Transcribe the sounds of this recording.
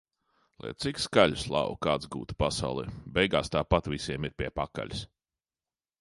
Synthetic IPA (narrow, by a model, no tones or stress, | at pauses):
lˠɛ̰jt̪sikskaʎʲuslˠa̰wukaːt̪zɡṵːt̪u̥pasawlˠɛ̰ːbɛjɡaːst̪aːpat̪visʲiɛmiɾpʲiɛpaka̰ʎʲis